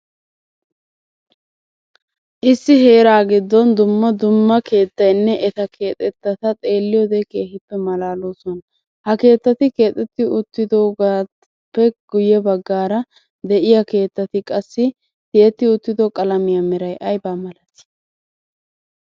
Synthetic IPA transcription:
ʔɪsːɪɦe̞ːɾaːɡɪd̪ːɔnd̪ʊmːɐd̪ʊmːɐke̞ːt̪ːɐjnːɛʔɛt̪ɐkʰe̞ːt̪ʼɛt̪ːɐt̪ɐt̪ʼe̞ːlːɪjɔd̪ɛke̞ːhɪpːɛmɐlaːloːsɔn | hɐke̞ːt̪ːɐt̪ɪke̞ːt̪ʼːɛt̪ːɪʊt̪ːɪd̪oːɡa | pːɛɡ̥ʊjɛbɐɡːaːɾɐ | d̪ɛʔɪjɐke̞ːt̪ːɐt̪ɪkʼɐsːɪ | t̪ɪjɛt̪ːɪʊt̪ːɪd̪ɔkʼɐlɐmɪjɐmɛɾɐjʔɐjbaːmɐlɐt̪ɪ̥

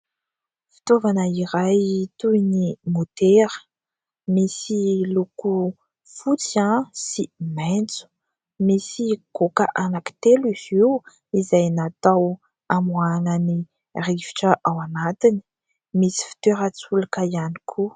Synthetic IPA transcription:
fi̥t̪ovanəiɾajt̪ujnimot̪eɾə̥ | misiluku | fut͡siãsiment͡su̥ | misiɡ̥okəʔanaki̥t̪eliziw | izajnat̪aw | amwanəni | rivi̥ʈ͡ʂəʔawanat̪ini̥ | misi̥fi̥t̪eɾat͡sulakaianikʰu

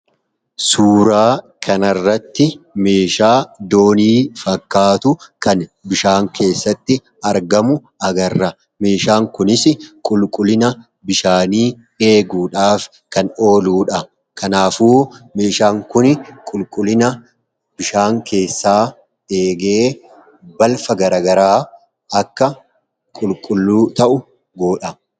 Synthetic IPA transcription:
suːɾaː | kʰɐnɐrːɐt̪ːɪme̞ːʃaːd̪o̞ːniːfɐkːaːt̪ʊkɐnbɪʃaːŋkʰe̞ːsːɐt̪ːɪ | ɐɾɡɐmʊ | ɐɡɐrːɐ | me̞ːʃaːŋkʊnɪsɪkʼʊlkʼʊlɪnɐ | bɪʃaːniː | e̞ːɡuːᶑaːf | kɐno̞ːluːᶑɐ | kʰɐnaːfuːme̞ːʃaːŋkʊnkʼʊlkʼʊlɪnɐ | b̥ɪʃaːŋkʰe̞ːsːaː | e̞ːɡeː | bɐlfɐɡɐɾɐːɡɐɾaː | ɐkːɐ | kʼʊlkʼʊlːuːt̪ɐʔʊ | ɡoːᶑɐ

